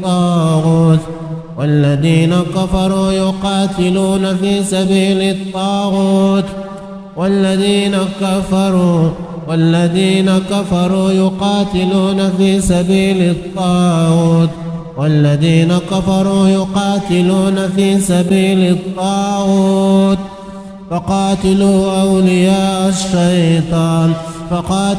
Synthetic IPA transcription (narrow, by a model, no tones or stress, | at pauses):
ɑːɣuːt̪ | walːaðiːnakafɑɾˤuːjʊqɑːt̪ɪluːnafiːsabiːlɪt̪ˤːɑːɣuːt̪ | walːaðiːnakafɑɾˤuː | walːaðiːnakafɑɾˤuːjʊqɑːt̪ɪluːnafiːsabiːlt̪ˤːɑːʕʕuːt̪ | walːaðiːnakafɑɾˤuːjʊqɑːt̪ɪluːnafiːsabiːlt̪ˤːɑːɣuːt̪ | fɑqɑːt̪ɪluːʔawlɪjaːʔaʃːɑjt̪ˤɑːnfɑqɑː